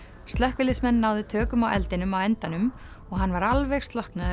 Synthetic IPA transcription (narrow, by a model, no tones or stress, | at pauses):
st̪lœhkvɪlɪsmɛnːaːwðɪt̪ʰœːkʏmawʔɛ̰lt̪ɪnʏmawɛnt̪anʏm | ɔɣɦanːvaɾalvɛxst̪lɔhknað